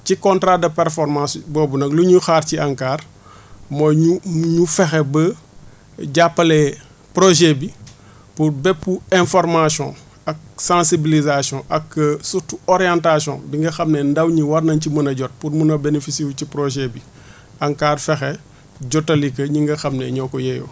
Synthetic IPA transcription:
cikɔ̃ntɾadɐpɛɾfɔɾmãsbɔːbunɐkluɲuxaːɾciaŋkaːɾ | mɔjɲuɲufɛxɛbə | ɟapːɐlɛ | pɾoʒɛbi | puɾbɛpːuɛ̃fɔɾmasjɔ̰̃ | ɐk̚sãsibilizasjɔ̃ʔɐksutuɔɾijãntasɔ̰̃biŋɡɐxɐmnɛndɐwɲiwɐɾnɐncimɐnɐɟɔt̚puɾmunɐbenefisiucipɾoʒɛbi | aŋkaːrfɛxɛ | ɟɔtːɐlikɐɲiŋɡɐxɐmnɛ̰ɲɔːkɔjɛjɔ̰

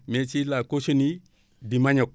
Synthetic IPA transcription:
met͡ʃilakot͡ʃoni | dimaɲok̚

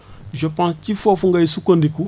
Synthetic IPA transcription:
ʒəpãscifafuŋɡaisukondiku

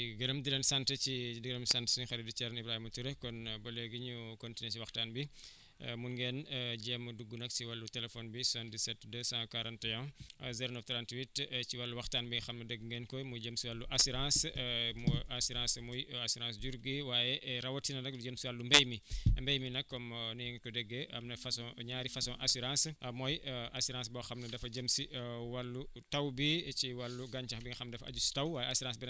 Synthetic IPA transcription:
iɡɐɾɐmdilɐnsantət͡ʃidɡɐɾɐmsantsiɲxɐɾidut͡ʃɛɾɐnibɾahimutuɾɐkɔnbɐleɡiɲukɔntinet͡ʃiwɐxtaːnbḭ | muŋɡɛnɟɛːmuduɡːunɐksiwalːutɛlɛfɔnbisandisɛtːdɐsãkaɾɐntɐjɔ̃zɛɾonɔft̪ɾantwitt͡ʃiwɐlːuwɐxtaːnbixɐmɐdəɡŋɡɛnkɔjmujɟəmsiwalːuʔasiɾãːsmɔasiɾãːsmujasiɾãːsɟuɾɡiwaːjɛʔɾɐwɔtinɐnɐkduɟəmsiwalːumbɛjmimbɛjminɐkːɔmnujɛŋikɔdɛɡːeɐ̰mnɐfɐsɔ̃ɲaːɾifɐsɔ̃ʔasiɾãsmɔjʔasiɾãːsbɔxɐmnɐdɐfɐɟəmsiwɐlːutɐwbit͡ʃiwɐlːuɡaɲt͡ʃɐxbiŋixɐmdɐfɐ̰ɟustɐwwaːjɛasiɾãːsbin

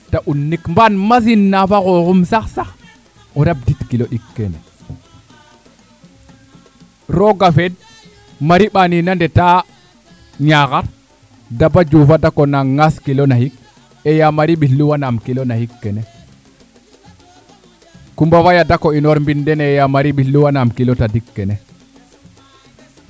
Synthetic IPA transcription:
taʔunːikmbanmas̬inːafaɣoxumsaxsax | oɾab̚ditkiloɗikːḛnḛ | ɾoɡafed | maɾiɓaninandeta | ɲaɣaɾ | dabad͡ʒufadakonaŋːaskilonahik̚ | ejamaɾiɓiɬluwanamkilonahikːene | kumbawajadakoinoɾmbindɛnejamaɾiɓilluwanamkilotadikːene

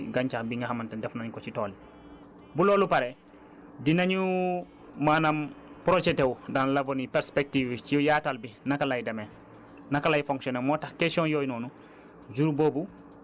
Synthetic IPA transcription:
ɡaɲt͡ʃaxbiŋɡahamantɛndɛfnaɲkɔt͡ʃitɔːli | bulɔːlupaɾe | dinaɲu | maːnampɾod͡ʒɛtewdanlavonipɛɾspek̚tiːvcijaːtalbinakalajdemɛ | nakalajfoŋksɔnemɔːtaxkesiɔ̃njɔːjnɔːnu | d͡ʒuɾboːbu

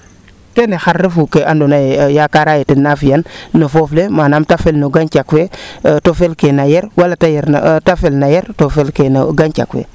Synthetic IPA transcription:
kenexaɾːefukeandonajejakaɾajetinːafijanːofoflemanamtafelnoɡant͡ʃakwetofelkenajeɾwalatajeɾtafelnajeɾtofelkenɡant͡ʃa̰kwḛ

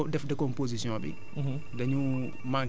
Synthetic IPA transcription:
dɛfdɛkɔmpozisijɔ̃ɓḭ | daɲu | ma

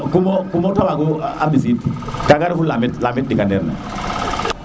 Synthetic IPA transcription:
kumɔkumɔtamaɡuabis̬itkakaɾifulamitlamit̚dikandɛɾnɛ̰

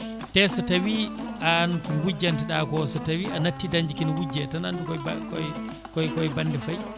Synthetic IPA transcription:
tɛsɔtawiʔankumwud͡ʒːantiɗakɔsɔtawiʔanatːidaɲd͡ʒikinwud͡ʒːɛtanandukɔkɔ | kɔjkɔjbandɛfaj

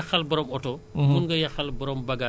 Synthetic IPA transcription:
ɐxɐlbɐɾɔmɔtɔmunɡɐjɐxɐlbɐɾɔmbɐɡa

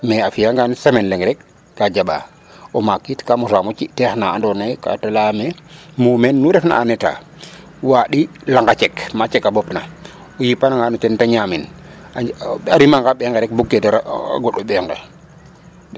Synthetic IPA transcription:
mɛafijaŋɡansamenleŋɡɾɛkː | ad͡ʒaɓa̰ | omakːitkamusamot͡ʃitɛxnaandɔnajka̰talamemuːmɛnːuɾɛfna̰ʔanɛta̰ | waɗilaŋɡat͡ʃɛkmat͡ʃɛkːabɔpna | ɔjipanaŋɡanutɛntaɲaːmin | aɾimaŋɡaɓɛŋɡeɾɛk̚buɡːetaɾ̰ɡɔɗɔɓɛŋɡḛ

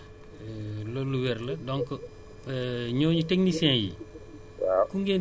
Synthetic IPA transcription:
loluwɛɾlɐdɔŋkə | ɲoːɲutɛŋnisɛ̃ːjḭ | akuŋɡen

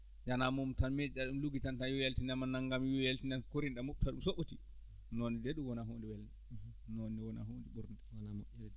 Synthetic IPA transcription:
d͡ʒanamɔmtanmed͡ʒiɗaɗumluɡitantajɔjaltinamanːaŋɡamjɔjaltinankoɾinɗamup̚tʰaɗumsoɓoti | nɔnidɛɗumwɔnaɦondiwɛlnɛ | nɔnːiwɔna̰ɦondiɓuɾnda

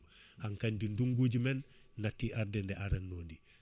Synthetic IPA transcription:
haŋkandinduŋɡuɟumenː | atiʔaɾdendeʔaɾenːoːndi

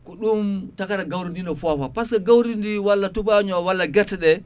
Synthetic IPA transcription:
kɔɗumtakaɾaɡawɾindinɔfɔfapaskaɡawɾindiwalːatubaɲɔwalːaɡɛɾtɛɗɛ

